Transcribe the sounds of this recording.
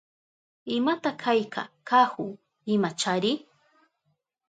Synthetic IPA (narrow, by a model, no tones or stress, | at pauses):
ɪmat̪akʰajkʰa̰kahʊ | ɪmat͡ʃaɾɪ